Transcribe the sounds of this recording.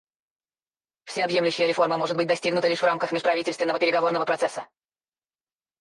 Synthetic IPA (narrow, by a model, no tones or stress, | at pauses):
fsʲeɐbje̞mlʲʉɕːɪjəɾʲɪfo̞rməmo̞ʐɨt̪bɨt̚ʲd̪ɐsʲtʲiɡnʊt̪əlʲiʂvramkəxmʲɪʂpɾɐvitʲɪlʲt̪vʲɪnːəvəpʲɪɾʲɪɡɐvo̞rnəvəpɾɐt̪sɛsːə